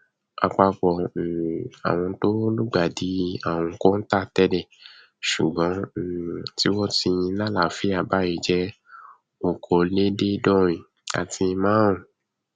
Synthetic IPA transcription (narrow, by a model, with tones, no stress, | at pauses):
a˧k͡pa˧k͡pɔ˨ | a̰˨w̃ɔ̃˧to˦lu˦ɡ͡ba˨di˨˦a˦˨w̃ɔ̃˧ko˦n̩˦ta˦˨tɛ˦dɛ˦˨ | ʃu˨ɡ͡bɔ̃˨˦˨ti˦wɔ˦ti˧jĩ˧˦lã˦la˦˨fi˦a˨ba˦i˧˨d͡ʒɛ˦ | o˨kʰo˨le˦de˦dɔ̃˦˨ĩ˨ | a̰˨tʰi˧˦mãː˦ũ˦˨